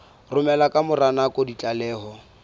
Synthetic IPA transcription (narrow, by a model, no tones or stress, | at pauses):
rʊmɛlakʼamʊranakʼɔdit͡ɬʼalɛːɦɔ